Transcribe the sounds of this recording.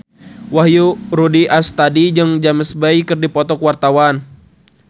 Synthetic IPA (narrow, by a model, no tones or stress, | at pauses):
waɦjuɾudiʔast̪adid͡ʒəŋd͡ʒaməsbaikɨrdipɔt̪ɔkwart̪awan